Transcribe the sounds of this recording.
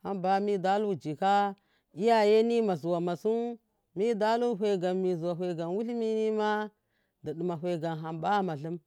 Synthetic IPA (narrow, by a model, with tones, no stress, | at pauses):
ha˦mba˦mi˦da˦lu˦˨d͡ʒi˨ka˦ | i˦ja˦je˦ni˦ma˨zu˨wa˨ma˨su˦ | mi˦da˦lu˦˨ɦʷe˨ɡa˨mmi˨zu˨wa˨ɦʷe˨ɡa˨nwu˦lmi˦ni˦ma˦ | də˨ɗi˨ma˨ɦʷe˨ɡa˨nɦa˨mba˦ma˨ɬɨ˦m